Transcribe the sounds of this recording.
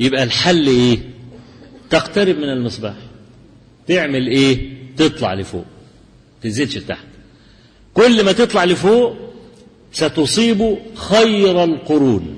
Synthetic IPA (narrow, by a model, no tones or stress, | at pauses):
jɪbʔælħalːʔeː | t̪aqt̪æɾɪb̚mɪnɪlmɨsˤbɑːħ | t̪eʕmɪlʔeːt̪ɨt̪ˤlɑ̰ʕlɪfo̰ːʔ | t̪ɪnzelʃbt̪a̰ħt̪ | kolːmæt̪et̪ˤlɑʕlɪfoːʔ | sæt̪osˤiːbuxæjɾælqʊɾuːn